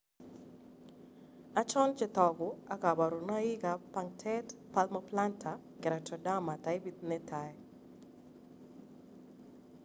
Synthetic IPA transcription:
a˦t͡ʃɔ˦nt͡ʃɪ˦t̪ɔ˨ɡʊ˨a˦ka˨ba˨ɾu˨na˦ɪ˦ɡa˨pa˦ŋtʰɛ˦tpa˦lma˦pla˦ntʰa˨ | kɪ˨ɾa˨tɔ˨da˦ma˨ta˨˦ɪ˦bi˦t̪̚nɛ˦tʰa˨ɛ˨

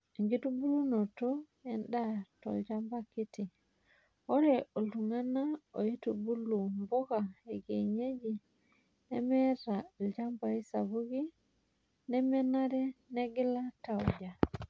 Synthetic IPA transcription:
e˨ŋɡi˦tu˦bu˦lu˦no˨tɔ˦ | ɛ˦nda˦tɔ̰˨lɟa˦mba˦ki˦ti˨ | o˦ɾɛ˨ʔo˨lu˨ŋa˦na˦o˨i˦tu˨bu˦lu˨mbo˦ka˨e˨ɡe˨ɲe˦d͡ʒi˨ | nɛ̰˦mɛ˦ɾa˨lɟa˦mba˨i˦sa˨βu˦ɡi˦ | nɛ˦mɛ˦na˦ɾɛ˦nɛ˦ɡi˦la˦ta˨uɟa˨

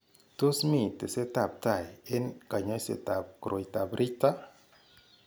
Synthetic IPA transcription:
to˦smi˦˨te˨se˦ta˨p̚ta˨jɪ˦nka˨ɲɔ˦jsḛ˨ta˨p̚kɾʔo˨jta˨bɾʔi˦t̪a˦

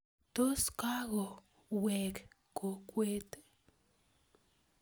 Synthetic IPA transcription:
t̪o˦ska˦ɣo˨ | we˨k | ko˨kʷe˦t̪

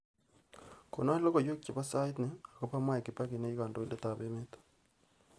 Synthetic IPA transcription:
ko̰˨na˦lo˦ko˨jo˦kji˨βa˦sa˦i˦tne˦a˨ko˦pa˦mwa˦e˨ki˨pa˦ke˨ne˦i˦ɣa˨ndo˨i˦nde˦ta˨βe˦me˦tḁ˦

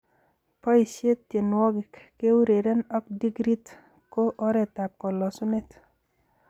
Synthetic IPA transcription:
pɔ˦i˨sje˦ttje˨nwɔ˦ɡɪ˨kke˦u˦ɾe˨ɾɛ˦nɔ˦k̚di˦ɡɾi˦t̪ | ko˦ʔo˦ɾɛ˨ta˨p̚kɔ˨lɔ˨sʊ˦ne˦t̪

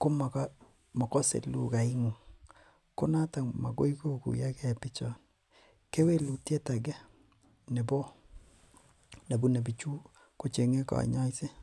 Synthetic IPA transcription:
ko˦ma˨k | mɔ˨kɔ˦sḛ˨lṵ˦ka˨ɪ˦ŋ˨ | ko˦na˦ta˨ma̰˨ɡo̰˦i˦ko˦kṵ˨ja˦kɛ˦pɪ˦t͡ʃɔ˨n | ke˦we˦lu˨tje˦ta˨ɡɛ˦ | nɪ˨bɔ˦ | na˨bu˦ne˨bi˨t͡ʃu˦ | ko˦t͡ʃe˨ŋe˦ka̰˨ɲɔ˦se˦

